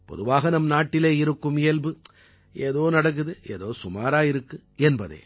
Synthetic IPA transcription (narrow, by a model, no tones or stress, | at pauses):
pɔ̰ðɯʋaːɣɐnɐmnaːʈːɪleːɪɾɯkːɯmɪɛlbɯ | ʔeːðoːnɐɽɐk̬ːɯðɯʔeːðoːsʊmaːɾaːɪɾɯkːɯɛnbɐðḛː